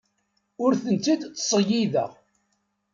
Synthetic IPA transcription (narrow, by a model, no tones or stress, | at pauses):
ʊɾθənt͡s̪ːid̪t͡sːsˤəjiðə̰ʁ